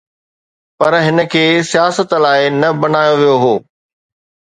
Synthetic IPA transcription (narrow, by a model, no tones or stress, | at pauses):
pɐɾɦɪnə̆kʰeːsijaːsət̪laːɪnɐbɐnaːjoʋijoɦoː